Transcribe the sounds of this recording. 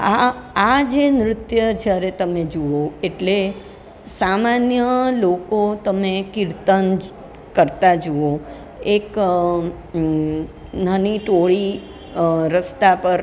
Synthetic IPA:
aː | d͡ʒenɾɪt̪jəd͡ʒjaɾet̪əmed͡ʒuoeʈle | samanjəlokot̪əmekiɾt̪ən | kəɾt̪ad͡ʒuo | ek | nəniʈoɭi | ɾəst̪apəɾ

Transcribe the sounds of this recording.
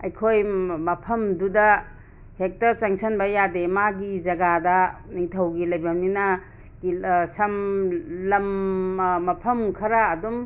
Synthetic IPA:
ɐjkʰojmɐpʰɐmdudɐ | hek̚tɐɾt͡ʃɐŋsɐnbɐjademaɡizɐɡadɐniŋtʰɐwɡilɐjbɐmninɐ | isɐmlɐm | mɐpʰɐmkʰɐɾaːdum

